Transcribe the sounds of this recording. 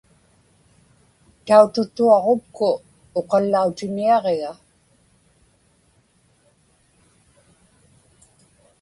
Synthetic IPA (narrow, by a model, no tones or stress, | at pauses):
t̪aut̪ʊt̪uɑʁo̞p̚kʊ | oqɑlːaut̪ɪniɑʁeɣa